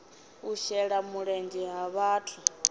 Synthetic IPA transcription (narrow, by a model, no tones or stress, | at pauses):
uʃɛɺamuɺɛnd͡ʒɛɦaβaːtʰu